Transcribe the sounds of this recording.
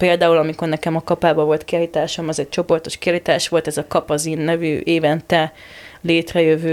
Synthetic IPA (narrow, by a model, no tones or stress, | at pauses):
peːld̪aːulɒmiko̞rnɛkɛmɒkɒpaːbɒvo̞lt̪kiaːlit̪aːʃomɒzɛc̚t͡ʃo̞po̞rt̪o̞ʃkiɒːlit̪aːʃʋo̞lt̪ɛzɒkɒpɒzinːɛvy̰ʔeːvɛnt̪ɛ | leːt̪rɛjøvøː